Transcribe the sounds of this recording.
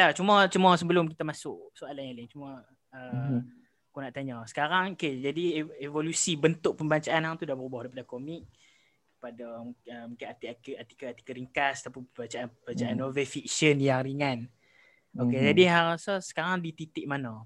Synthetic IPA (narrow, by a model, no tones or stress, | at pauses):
lat͡ʃumat͡ʃumasəbəlʊmkit̪amasʊʔsoalanaliŋt͡ʃuma | ə | akonaʔt̪aɲəsə̥kaɾaŋoked͡ʒadievolusibənt̪ʊʔ̚pəmbaɲt͡ʃaʔanaŋt̪udabəɾubɔhdaɾipadakomik̚ | kəpadəəmukɪnat̪iakat̪i̥kaat̪i̥kəɾiŋkast̪apunpəbaɲt͡ʃaʔanəbəbat͡ʃaʔanovefik̚sənjaŋɾiŋan | oked͡ʒadiɦaɾasəsə̥kaɾaŋdit̪it̪ɪʔ̚manɔ